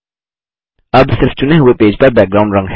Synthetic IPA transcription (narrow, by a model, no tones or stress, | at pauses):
ɐbsɪɾft͡ʃʊneɦʊepeːd͡ʒpɐɾbɛːk̚ɡɾaːʊ̃ɳɖɾɐ̃ŋɡɦ